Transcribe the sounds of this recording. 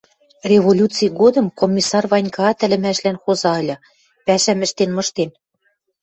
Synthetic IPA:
rʲeβolʲut͡sijɣod̪ɤ̆mkomʲːisɑrβɑnʲkɑɑt̪ɘ̆lɘ̆mæʃlænxozɑɤ̆lʲɤ | pæʃæmɘ̆ʃt̪enmɤ̆ʃt̪en

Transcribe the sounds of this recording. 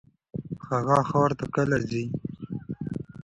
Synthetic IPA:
xaɣaxawɾt̪akalazi

